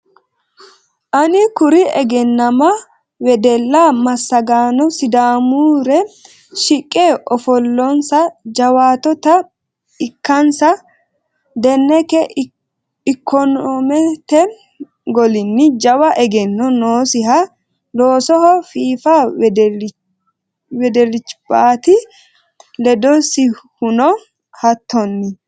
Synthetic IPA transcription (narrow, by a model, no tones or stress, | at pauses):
ʔɐnɪkʊɾɪʔɛ̰ɡɛnːɐmɐ | wɛd̪ɛlːaːmɐsːɐɡaːnɔsɪd̪aːmuːɾɛ | ʃɪkʼːeːʔɔfɔlːɔnsɐd͡ʒɐwaːt̪ɔt̪ɐ | ɪkːɐnsɐ | d̪ɛnːɛkɛ | ɪkʰːɔnɔmɛt̪ɛ | ɡɔlɪnːɪd͡ʒɐwɐʔɛɡɛnːɔnoːsɪɦɐ | loːsɔhɔfiːfa | wɛd̪ɛlɪt͡ʃːb̥aːt̪ɪ | lɛd̪ɔsɪhʊnɔ | hɐt̪ːɔnːɪ